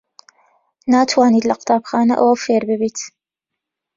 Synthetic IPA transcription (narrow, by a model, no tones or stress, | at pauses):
naːt̪ʰwaːniːt̪lɐqɨ̥t̪aːbxaːnɐ̰ʔɐwɐfeːɾbɨbiːt̪